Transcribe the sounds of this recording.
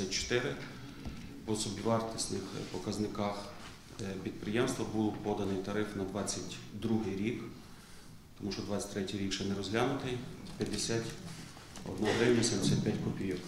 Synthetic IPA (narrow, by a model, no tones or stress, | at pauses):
ɐt͡ʃɔ̥t̪ɪɾɪ | pɔsɔbʲiʋɑrt̪ɪsnɪxpɔkɐznɪkɑx | pʲid̪̚pɾɪjɛmst̪ʋɐbulˠpɔd̪ɐnɪjt̪ɐɾɪfnɐd̪ʋɑt͡sʲːɐtʲd̪ɾuɦɪjɾʲik | t̪ɔmuʃt͡ʃɔd̪ʋɑt͡sʲːɐ̥tʲt̪ɾɛtʲijɾʲikʃɛnɛɾɔzɦlʲanʊt̪ɪjpʲjɐd̪esʲatʲ | ɔ̰d̪naɦɾɛwnʲɐsʲɛmd̪esʲat̪̚ʲpʲjatʲkɔpʲijɔw